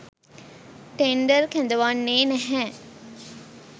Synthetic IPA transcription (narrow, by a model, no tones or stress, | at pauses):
ʈeɳɖəɾkænd̪əʋanːeːnɛɦɛ̃ː